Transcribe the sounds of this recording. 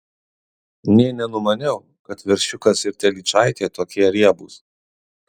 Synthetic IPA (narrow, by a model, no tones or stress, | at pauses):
nʲiɛnʲɛnʊmɐnʲɛʊ | kɐt̪ʋʲɛɾʲʃʲʊkɐsɪɾt̪ʲɛlʲit͡ʃɑˑɪt̪ʲeːt̪oːkʲiɛɾʲiɛbuːs